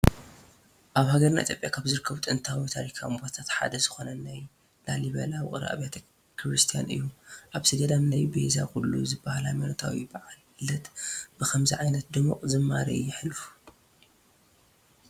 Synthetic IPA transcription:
ʔaβhaɡɐɾna̰ʔit̪ʰʲjopʼjakʰaβzɨɾɨkʰːɐβut̪ʼɨnt̪ʰawit̪ʰaɾikʰa̰bot̪ʰat̪ħa̰d̪ɐzɨxo̞nɐnaj | laliβɐlawɨχʼɾia̰βat̪ʰɐ | kʰɾɨst̪ʰija̰nʔɨ̰jːuʔaβsɨd̪ɐd̪amnajbezakulːṵzɨbːahalamenot̪ʰawḭbaʕalː | ɐt̪b̥ɨkʰɐmziʕajnɐt̪̚d̪ɨmuqʼzɨmːaɾɐ̰jɪħlfu̥

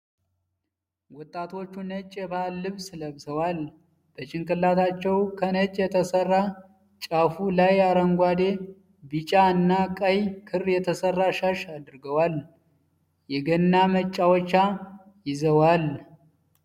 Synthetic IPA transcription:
wɔt̪ʼːat̪ʰo̞t͡ʃːunət͡ʃʼjɛbalːɨβsɨləβsəwal | b̥ət͡ʃʼɪŋkʼɨlːat̪ʰat͡ʃːɛwkʰənət͡ʃʼjɛt̪ʰəsərːa | t͡ʃʼafulajaɾəŋɡʷad̪e̞ | bɨt͡ʃʼaɨnːakʼəjkʰɨrjɛt̪ʰəsərːaʃaʃad̪ɾɡəwal | jɛɡənːamət͡ʃʼːawɔt͡ʃːa | jɪzəwal

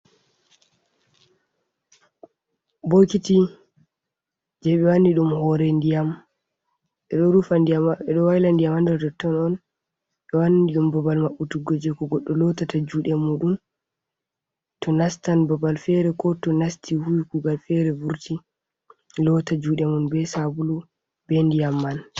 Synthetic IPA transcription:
bokiti | d͡ʒɛɓɛwandiɗumhɔɾɛndijam | ɓɛɗɔɾufandijamaɓɛɗɔwajlandijamandɔɾdɔtːɔnɔn | ɓɛwanndiɗumbabalmaɓutuɡɔd͡ʒɛkɔɡɔɗːɔlɔtatad͡ʒuːɗɛmuɗun | tɔnastanbabalfɛɾɛkɔtɔnastʰihuwikuɡalfɛɾɛvuɾtʰi | lɔtad͡ʒuːɗɛmunbɛsabulu | bɛndijamːan

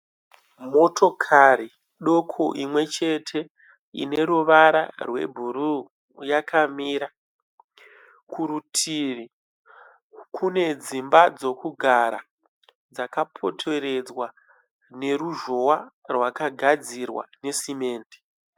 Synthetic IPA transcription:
mo̞tʰo̞kʰari | ɗo̞kʰo̰ʔimwe̞t͡ʃe̞tʰe̞ | ḭne̞ɾuʋaɾa̰rwe̞̰bʱuɾu | jakʰamiɾa | kʰuɾutʰiʋi | kʰune̞d͡zimbad͡zo̞kuɡʱaɾa̰ | d͡zakapʰo̞̰tʰe̞ɾe̞d͡zwa | ne̞ɾuʒo̞wa | rwakaɡʱad͡zirwa̰ne̞sime̞ːnde̥

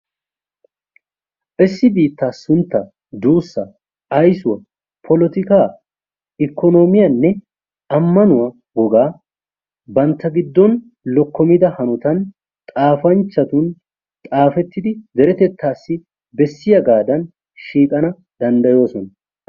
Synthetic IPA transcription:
ʔɪsːɪbiːt̪ːaːsʊnt̪ːɐ | d̪uːsːɐ | ɐjsʊwɐ | pʰɔlɔt̪ɪkaː | ɪkːɔnomɪjɐnːɛ | ɐmːɐnʊwɐ | wɔɡaː | bɐnt̪ːɐɡɪd̪ːɔn | lɔkːɔmɪd̪ɐhɐnɔt̪ɐn | t̪ʼaːfɐnt͡ʃːɐt̪ʊn | t̪ʼaːfɛt̪ːɪd̪ɪd̪ɛɾɛt̪ɛt̪ʰːaːsːɪ | bɛsːɪjɐɡaːd̪ɐn | ʃiːkʼɐnɐ | d̪ɐnd̪ɐjo̞ːsɔnɐ

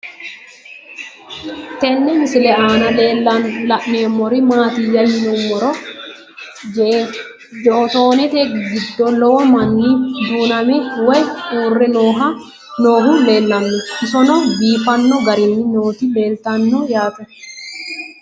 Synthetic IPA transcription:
t̪ɛnːɛmɪsɪlɛaːnɐleːlːɐnlɐʔneːmːɔɾɪmaːt̪ijɐjɪnumːɔɾɔ | d͡ʒoːt̪o̞ːnɛt̪eɡɪd̪ːɔlɔwɐmɐnːiːd̪uːnɐmɛwɐjuːrːɛnoːɦɐ | noːɦʊle̞ːlːɐmːɛɪsɔnɔbiːfɐnːɔɡɐɾɪnːɪnoːt̪ibe̞ːlt̪ɐnːɔjaːt̪ɛ

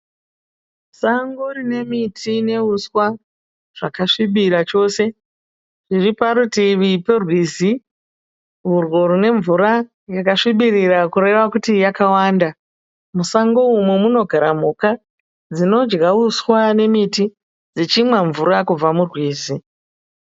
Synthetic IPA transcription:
saŋɡorine̞mitʰine̞uswa | ʐ̥akaʂiɓiɾat͡ʃo̞ːse̞ | ʐ̥iʐipaɾutiʋipe̞rwizi | ʋurwoɾune̞ɱvuɾa | jakaʂiɓirirakuɾe̞ʋakutijakawaːnda | musaŋɡo̞umwemuno̞ɡʱaɾamuka | d͡zino̞d͡ʒɡauswane̞miti | d͡zit͡ʃimwaɱvuɾakub͡vamurwiːzi

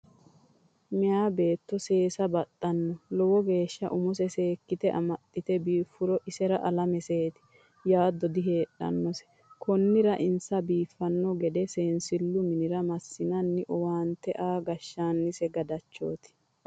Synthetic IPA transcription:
mɪjaːbe̞ːt̪ːɔse̞ːsɐbɐt̪ʼːɐnːɔlɔwɔɡe̞ːʃːɐʔʊmɔsɛseːkːɪt̪ɛʔɐ̰mɐt̪ʼːɪt̪ɛbiːfːʊɾɔʔɪsɛɾɐʔɐlɐmɛseːt̪ɪ̥ | jaːd̪ɔd̪ɪɦe̞ːɗɐ̰nːɔsɛ̥ | kʰɔnːɪɾɐʔɪnsɐbiːfːɐnːɔɡɛd̪ɛseːnsɪlːʊmɪnɪɾɐmɐsːɪnɐnːɪʔɔwaːnt̪ːɛʔaːɡɐʃːaːnːɪsɛɡɐd̪ɐt͡ʃːo̞ːt̪ɪ̥

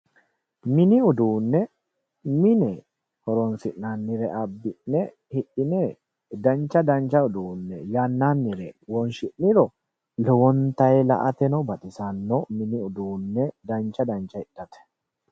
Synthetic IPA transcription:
mɪnɪʊd̪uːnːɛ | mɪnɛ | hɔɾɔnsɪʔnanːɪɾɛʔɐbːɪʔnɛ | hɪʔɪnɛ | d̪ɐnt͡ʃːɐd̪ɐnt͡ʃːɐʊd̪uːnːɛjanːanːɪɾɛwɔnʃɪʔːɪɾɔ | lɔwɔnt̪ɐjɛlɐ̰ʔɐt̪ɛnɔbɐt̪ʼɪsɐnːɔmɪnɪʊd̪uːnːɛd̪ɐnt͡ʃːɐd̪ɐnt͡ʃːɐɪɗːɐt̪ɛ̥

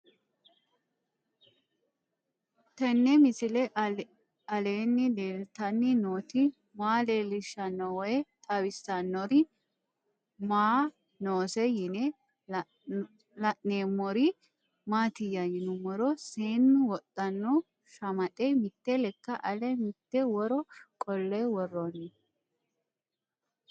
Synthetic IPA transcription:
t̪ɛnːɛmɪsɪlɛ | ɐleːnːɪdeːlt̪ɐnːɪnoːt̪ɪ | maːleːlɪʃɐnːɔwɔjɛt̪ɐwɪsːɐnːɔɾɪ | maː | noːsɛjɪnɛ | lɐʔneːmːɔɾɪ | maːt̪ɪjɐjɪnʊmɔɾɔseːnːʊwɔt̪ʼːɐnːɔ | ʃɐmɐt̪ʼɛmɪt̪ːɛlɛkːɐʔɐlɛmɪt̪ːɛwɔɾɔkʼɔlːɔjwɔrːonːɪ

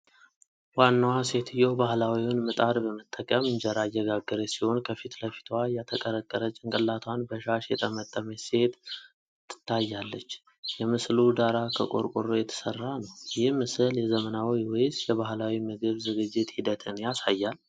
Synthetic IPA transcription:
wanːəwase̞t̪ʰɨjːobahlawiwʊnmɨt̪ʼad̪bəmət̪ʼːəkʼəmɨɲd͡ʒəɾajːɛɡaɡːəɾəsiho̞nkʰəfit̪ləfi̥t̪ʰwajat̪ʰəkʼəɾəkʼːəɾət͡ʃʼɪŋkʼɨlːat̪ʰwanbəʃaʃjɛt̪ʼəmət̪ʼːəmese̞t̪ | t̪ʰːɨ̥t̪ʰːajːalːət͡ʃː | jɛmɨslud̪aɾakʰəkʼo̰ɾkʼoɾojɛt̪ʰə̥sərːanəwjɪhmɨsɨljɛzəmənawiwɔjsjɛβaɦlawimɨɡɨβzɨɡɨd͡ʒːɪt̪hid̪ət̪ʰɨnjasajːal

